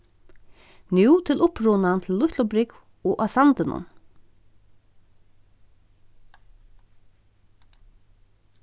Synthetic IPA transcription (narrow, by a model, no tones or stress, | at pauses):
nuːt̪ʰɪlʊpɾʊnant̪ʰɪllːʊht̪lʊbɾɪk | ɔːʔasant̪ɪnʊ̰n